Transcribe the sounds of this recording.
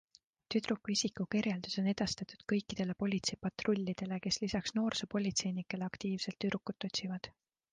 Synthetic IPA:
t̪yd̪ɾukːˑuisikukirjeld̪̥uso̞ne̞d̪̥ɑst̪ɑt̪ˑu̥d̪̥kɤ̞jkːˑid̪̥e̞le̞po̞lʲit̪se̞jpɑt̪ro̞lʲːid̪̥e̞le̞ke̞slisɑksno̞ːrsepo̞lʲit̪se̞jnikːˑe̞leɑkt̪iːv̥se̞lt̪ːyɾukːˑut̪ːˑo̞t̪ʲsivɑd̪̥

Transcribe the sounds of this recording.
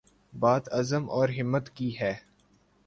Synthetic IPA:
baːt̪ɐzəmʔɔːɾɦɪmːət̪kiɦɛː

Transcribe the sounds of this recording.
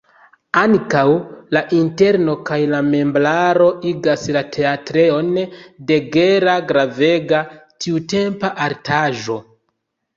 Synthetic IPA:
aŋkawlaʔinte̞ɾno̞kajlame̞mblaɾo̞ʔiɡaslatʰe̞atɾe̞o̞nde̞ɡe̞ɾaɡɾave̞ɡatʰiute̞mpaʔaɾtʰaʒo̞

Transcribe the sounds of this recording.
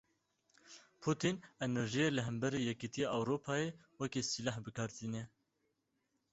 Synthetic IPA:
pʰut̪ʰinɛnɛɾʒijeːləɦɛmbɛɾeːjɛkit̪ijeʔɑwɾoːpʰɑːjeː | wɛkiːsilahbɨkʰɑɾt̪iːnɛ

